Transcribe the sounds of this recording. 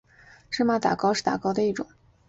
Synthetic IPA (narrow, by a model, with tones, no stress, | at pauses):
ʂɻ̩˥˩ma˨˩t̪a̰˨˩kɑ˥ʊʂɻ̩˥˩t̪a˨˩kɑ˥ʊd̪ə˧i˥˩ʈ͡ʂʊ̰˨˩˦ŋ